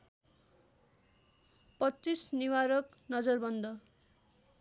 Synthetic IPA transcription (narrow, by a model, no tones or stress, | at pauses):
pʌtːisniwaɾʌk | nʌd͡zʌrbʌnd̪ʌ